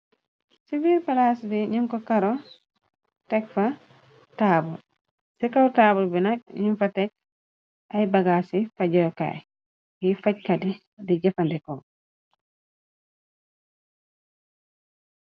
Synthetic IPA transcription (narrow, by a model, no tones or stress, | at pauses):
siviɾpalasdiɲiŋkɔkaɾɔ | tɛkfa | taːbɔl | sɛkawtaːbɔlbinak̚ɲinfatɛk̚ | ʔajbaɡasifaɟɔjka̰j | ɡifac̚kadi | diɟafandɛkɔ